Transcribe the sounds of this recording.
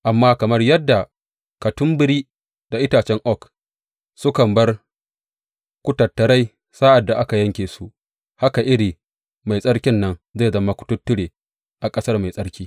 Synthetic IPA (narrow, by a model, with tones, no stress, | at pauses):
ʔa˨mːaː˦kɐ˨mɐ˦rjɐ˦dːa˨ | kɐ˨tʊ˦mbɪ˦ɾiː˦ | d̥a˨ʔɪ˦taː˨t͡ʃɛ˦ŋʔɔ˦˨k | sʊ˦kɐ˨mbɐ˦r | kʷʊ˦tɐ˨tːɐ˨ɾa˦j | saː˦ʔa˨dːa˨ʔa˦ka˨jɐ˦ŋkʲeː˨su˦ | ha˦ka˨ʔɪ˦ɽiː˨ | ma˨jsʼɐ˦ɽkʲɪ˦nːɐ˦nza˦˨zɐ˦ma˦kʷʊ̥˨tʊ˦tːʊ˦ɽeː˨ | ʔa˨kʼɐ˦sɐ˦rma˨jsʼɐ˦ɽkʲiː˦